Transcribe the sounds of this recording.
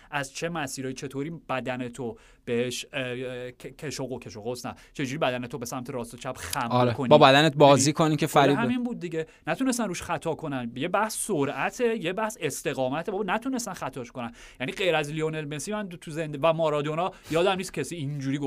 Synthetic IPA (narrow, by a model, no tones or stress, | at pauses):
ʔæzt͡ʃʰe̞mæsiːɾɒːjit͡ʃʰe̞t̪ʰoːɾiːb̥æd̪ænet̪ʰo | b̥e̞heʃʰ | cʰeʃoɣokʲʰe̞ʃoɣosnæ̰t͡ʃʰe̞d͡ʒuːɾibæd̪æne̞t̪ʰobe̞sæmt̪ʰeɾɒːst̪ot͡ʃʰæb̥xæmɾekʰonibɒbæd̪ænet̪̚bɒːziːkʰoniːmcʰefæɾihæminmbuːd̪̚ːiɟenæt̪ʰunes̬t̪ænruːʃxæt̪ʰɒːkʰo̞nænje̞bæhsːoɾæt̪ʰeje̞bæhse̞st̪e̞ɣɒːmæt̪ʰebɒbnæt̪ʰune̞st̪ænxæt̪ʰɒːʃko̞næn | jæniɢe̞jɾæzlionelmesimænt̪ʰuze̞nd̪evæmɒːɾɒːd̪o̞nɒjɒːd̪æmniːst̪cʰesiːind͡ʒuːɾiːɡo